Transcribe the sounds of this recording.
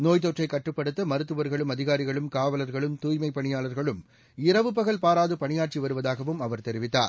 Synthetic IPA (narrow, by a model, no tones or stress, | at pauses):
noːjt̪oʈrɐɪkːɐʈrɯpːɐɽɯt̪ːɐmɐɾɯt̪ːɯʋɐɾɣɐɭɯmɐðɪɣaːɾɪɣɐɭɯmkaːʋɐlɐɾɣɐɭɯmt̪uːjmɐɪpːɐɳɪjaːlɐɾɣɐɭɯm | ɪɾɐʋɯpɐɣɐɭpaːɾaːðɯpɐɳɪjaːʈ̚t͡ʃiʋɐɾɯʋɐðaːɣɐʋɯmɐʋɐɾt̪ɛɾɪʋɪt̪ːa̰ːɾ